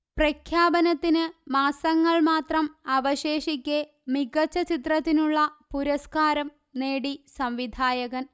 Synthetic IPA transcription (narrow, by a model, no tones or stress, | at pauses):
prɐkʰjaːbɐnɐt̪ːinɨmaːsɐŋːɐɭmaːt̪rɐmɐʋɐɕeːʂikʲːe | miɡɐt͡ɕːɐt͡ɕit̪rɐt̪ːinuɭːɐpuɾɐskaːɾɐm | neːɽisɐmʋid̪ʱaːjɐɣɐn